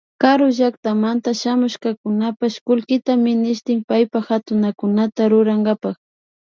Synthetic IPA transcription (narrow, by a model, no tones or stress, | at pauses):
kaɾoʒakt̪amant̪aʃamʊʃkakʊnapaʃkʊlkɪt̪amɪnɪʃt̪ɪmpajpaxat̪ʊnakʊnat̪aɾʊɾaŋɡapax